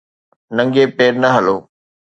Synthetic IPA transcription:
nɐ̃ŋɡepeːɾnɐɦɐloː

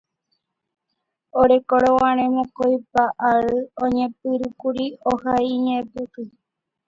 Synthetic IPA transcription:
oɾekoɾowãɾ̃ẽmõkojpaʔaɨõɲẽp̚ɨɾukuɾiohaiɲẽpɨkɨ

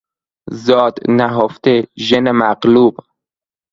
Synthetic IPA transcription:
zɒːd̪næɦoft̪eʒenemæqluːb

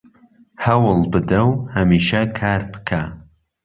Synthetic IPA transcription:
hɐwɨlˠbɨd̪ɐwhɐmiːʃɐkʰaːɾbɨ̥kʰa

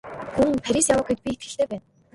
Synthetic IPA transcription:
xuŋpʰæɾʲisjawə̆ːɡet̪̚pʲiet̪ɡɘ̆ɬt̪eːpæːn

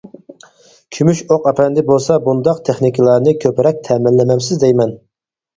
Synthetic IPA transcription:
kʲʰymyʃoqɑpʰɛnd̪ɪbolˠsɑbund̪ɑqt̪ʰeχnikʲʰilˠɑɾnɨkʲʰøpɪɾɛk̚ʲt̪ʰɛmɪlːɪmɛmsɪzd̪ɛjmɛn

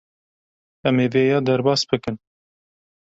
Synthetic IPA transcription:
ɛmeːveːjɑːd̪ɛɾbɑːsbɨkɨn

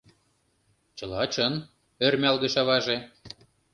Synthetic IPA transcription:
t͡ɕɤ̆lɑt͡ɕɤn | ørmʲælɣə̆ʃɑβɑʒe

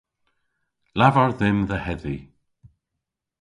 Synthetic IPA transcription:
lavɔɹðɪmðəhɛði

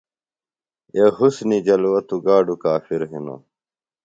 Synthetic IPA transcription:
ehusnid͡ʑɐlwɐt̪uɡaːɖukaːfiɾɦino̰

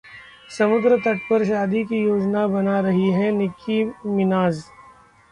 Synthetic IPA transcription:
sɐmʊd̪ɾət̪ɐʈpəɾʃ̬aːd̪ik̬ijoːd͡ʒnabɐnaɾɐɦiɦɛnɪkʰimɪnaːz

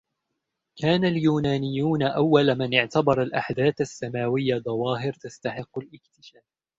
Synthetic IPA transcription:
kʰaːnaljuːnaːnɪjːuːnaʔawːalmanʔɪʕt̪abɑɾˤalʔaħd̪aːθasːamaːwɪjːad̪ˤɑwɑːɦɪɾt̪ast̪aħɪqːʊlʔɪk̚t̪ɪʃaːf

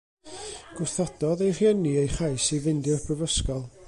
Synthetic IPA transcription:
ɡ̥ʊrθɔd̥ɔðejrjəniejχajsivɪndjɔrpʰrəvəskɔlˠ

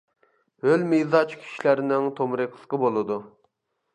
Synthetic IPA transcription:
hølmijzɑt͡ʃkʲʰi̥ʃilæɾnɪŋt̪ʰomɾɨqʰlˠqəbolˠɨd̪u

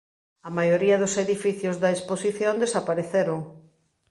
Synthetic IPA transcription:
ɐmajoɾiɐðʊseðifiθjozðɐesposiθjond̪esapaɾeθeɾoŋ

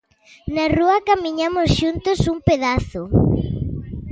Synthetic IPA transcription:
naruɐkamiɲamʊsʃunt̪ʊsuŋpeðaθʊ

